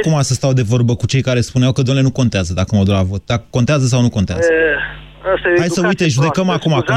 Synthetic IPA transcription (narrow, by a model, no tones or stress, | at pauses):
kumasəst̪awd̪e̞vo̞rbəkut͡ʃe̞jkaɾe̞spuneawkəd̪omelenuko̞nt̪eazəd̪akəmawd̪uɾavo̞t̪̚d̪akəko̞nt̪eazəs̬awnuko̞nt̪ea̰zə | ast̪ehajsəujt̪eʒud̪ekəmakumakum